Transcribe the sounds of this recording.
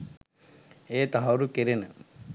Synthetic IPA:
eːt̪aɦɐɾukeɾenə

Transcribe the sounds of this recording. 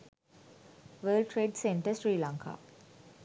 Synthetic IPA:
ʋəːlʈɾeːɖsẽɳʈəsɾiːlãŋkʰa̰ː

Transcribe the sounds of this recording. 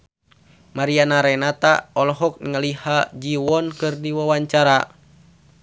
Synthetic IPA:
maɾianaɾɛnat̪a̰ɔlɔɦɔk̚ŋəlihad͡ʒiwɔnkɨrdiwawaɲt͡ʃaɾa

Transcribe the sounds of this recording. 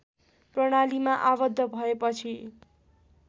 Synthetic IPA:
prʌɽ̃alimaʔabʌd̪ʱːʌbʱʌepʌt͡sʰi

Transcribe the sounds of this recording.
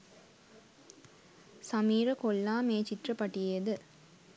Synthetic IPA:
sɐmiːɾɐkolːaːmeːt͡ʃit̪rɐpɐʈːijeed̪ɯ

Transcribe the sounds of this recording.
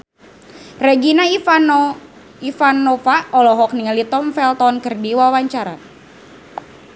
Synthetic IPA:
rɛɡina | ifanɔfaɔlɔɦɔk̚niŋalit̪ɔmfɛlt̪ɔnkərdiwawaɲt͡ʃaɾa̰

